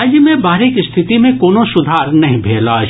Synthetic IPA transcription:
d͡ʒmẽbaːɾekist̪ʰɪt̪imẽkoːnoʃʊd̪ʱaːɾnɐɦĩbʱeːla

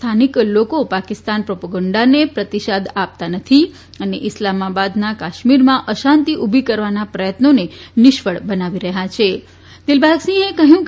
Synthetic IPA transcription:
t̪ʰaniklokopakist̪anpɾopəɡəɳɖanepɾət̪iʃad̪ap̚t̪anət̪ʰi | əneʔɪslamabad̪nakaʃmiɾmãʔəʃãnt̪iʔubʱikəɾʋanapɾəjət̪nonenɪʃfəɭbənaʋiɾəɦat͡ʃʰe | d̪ɪlbʱaɡsĩekəɦjũk

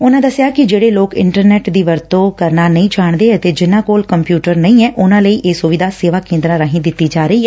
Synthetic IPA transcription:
ʊnãːd̪əsɪjaːkɪd͡ʒeːɽeːloːkɪ̰ɳʈəɾnɛːʈd̪iːʋəɾt̪õːkəɾnaːnəĩːt͡ʃaːɳd̪eːət̪eːd͡ʒɪnãːkoːlkəmpjuːʈəɾnəĩːɛːʔʊnãːləiːʔeːsʊʋɪd̪aːseːʋaːkẽːnd̪ɾãːɾəɦĩːd̪ɪt̪ːiːd͡ʒaːɾəiːɛː

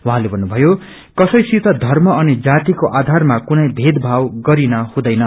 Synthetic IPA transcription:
waɦãlebʱʌnːubʱʌjo | kʌsʌjsit̪ʌd̪ʱʌrmʌʌnid͡zat̪ikoʔad̪ʱarmakunʌjbʱed̪bʱawɡʌɾinʌhũd̪ʌjnʌ

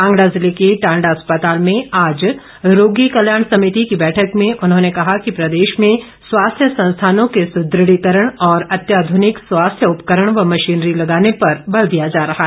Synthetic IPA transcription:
ãːŋɡɽazɪlekeʈãːɳɖaspət̪aːlmẽaːd͡ʒ | ɾoːɡikɐljaːɽ̃sɐmɪt̪ikibɛːʈʰəkmẽʔʊnɦõnekɐɦakipɾɐd̪eːʃmẽ | swaːst̪ʰjəsɐ̃nst̪ʰaːnõkesʊd̪ɾɪɽikəɾəɽ̃ɔːɾɐt̪jaːd̪ʱʊnɪkswaːst̪ʰjəʊpkəɾəɽ̃ʋɐmɐʃiːnɾilɐɡaːnepɐɾbɐld̪ijad͡ʒaːɾɐɦaɦ

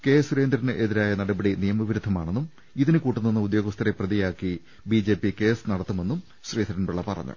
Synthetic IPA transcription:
ke̞ːsuɾe̞ːnd̪ɾɐnɨʔeðiɾaːjɐnɐɽɐbɐɽinijɐmɐʋiɾud̪ʱːɐma̰ːɳenːum | iðinɨkuːʈːunːinːɐud̪joːɡɐst̪ʰɐɾeprɐðijaːkːi | biːd͡ʑe̞ːpike̞ːsɨnɐɽɐt̪ːume̞nːum | ɕriːd̪ʰʱɐɾɐnbuɭːɐpɐrɐ̰ɲːṵ

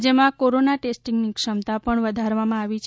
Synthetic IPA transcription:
d͡ʒəmãkoɾonaʈesʈiŋɡnikʂəmt̪apəɳʋəd̪ʱaɾʋamãaʋit͡ʃʰ

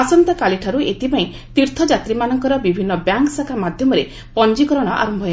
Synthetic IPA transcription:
asɔnt̪ɔkaliʈʰaɾuet̪ʰipaĩ | t̪iɾt̪ʰɔd͡ʒat̪ɾimanɔŋkɔɾɔbibʱinːɔbjaŋksakʰamad̪ʱjɔmɔɾe | pɔnd͡ʒikɔɾɔɽ̃ɔʔa̰ɾɔmbʱɔj

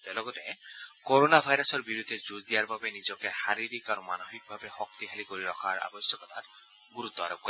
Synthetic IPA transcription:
tɛlɔɡɔtɛkɔɹonabʱajɾasɔɹbiɹud̪ʱːɛzuzdijaɹbabɛnizɔkɛxaɹiɾikaɹuma̰noxik̚bʱabɛxɔktiɦʰalikoɹiɹɔxʰaɹa̰bɔsjɔkɔtat | ɡuɹut̪ːɔa̰ɾɔp̚kɔɾɛ

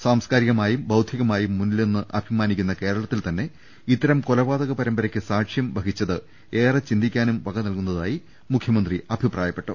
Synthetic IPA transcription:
saːmskaːɾiɣɐmaːjumbɐwd̪ʱjiɣɐmaːjumːunːilenːɨʔɐbʱimaːnikʲːunːɐke̞ːɾɐɭɐt̪ːilt̪ɐnːe̞ | it̪ːɐɾɐmkolɐʋaːd̪ɐɣɐpɐɾɐmbɐɾɐkʲːɨsaːkʂjɐmbʱɐɡit͡ɕːɐðɨ | e̞ːrɐt͡ɕind̪ikʲːaːnumʋɐɡɐnɐlkunːɐðaːji | mukʰjɐmɐnd̪riɐbʱipraːjɐpːe̞ʈːɨ

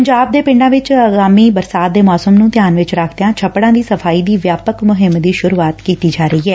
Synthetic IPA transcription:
pəɲd͡ʒaːb̚d̪eːpɪ̃ɳɖãːʋɪt͡ʃəɡaːmiːbəɾsaːt̪̚d̪eːmɔːsəmnũːt̪ɪjaːnʋɪt͡ʃɾakʰd̪eãːt͡ʃʰəpːɽãːd̪iːsəfʰaːiːd̪iːʋjaːpəkmʊɦɪmd̪iːʃʊɾuːaːt̪kiːt̪iːd͡ʒaːɾəiːɦɛː

